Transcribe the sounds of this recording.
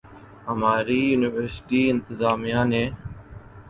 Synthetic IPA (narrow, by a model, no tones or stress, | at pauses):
ɦəmaːɾiːjuːnɪʋəɾsɪʈiːɪ̃nt̪ɪzaːmijãːnẽː